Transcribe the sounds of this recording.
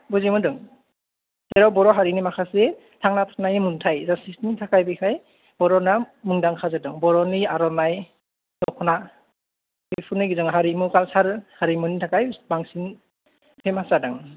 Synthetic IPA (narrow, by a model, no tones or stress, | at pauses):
buzimɯdɯŋ | sɛɾawbɔɾɔɦaɾinimakʰase | tʰaŋnatʰḁnajmɯntʰajzasisnitʰakajbikʰaj | bɔɾɔnamɯŋdaŋkʰazadɯŋbɔɾɔniaɾɔnaj | dɔkʰɔna | bepʰunɯɡizɯŋɦaɾimɯkalsaɾhaɾimɯnitʰakajbaŋsin | pʰemasadaŋ